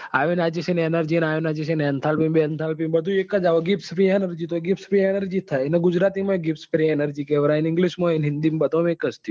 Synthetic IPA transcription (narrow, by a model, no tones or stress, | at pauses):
aʋenad͡ʒisenenəɾd͡ʒinaʋenad͡ʒisenɛnt̪ʰalpimbeənt̪ʰalpimbəd̪ʱuekːəd͡ʒaʋoɡipspɾienəɾd͡ʒit̪oɡipspɾienəɾd͡ʒit̪ʰaneɡud͡ʒɾat̪imaeɡipspɾienəɾd͡ʒikɛʋɾainiŋɡliʃmoinɦind̪imbət̪omekːəst̪ʰi